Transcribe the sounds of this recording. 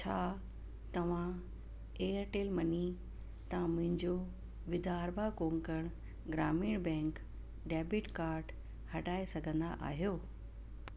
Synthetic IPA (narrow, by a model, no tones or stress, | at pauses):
t͡ɕʰaː | t̪ɐʋ̤ã | eːəɾʈeːlmɐni | t̪ɐãmʊ̃ɦɪ̃ɲd͡ʑo | ʋɪd̪ʱaːɾbʱakõːŋkəɽ̃ | ɡɾaːmiːɽ̃bɛ̃ːŋk | ɖɛːbɪʈkaːɾɖ | hɐɖaːesɐɡʱə̃nd̪a̰ʔa̰ːɦijoː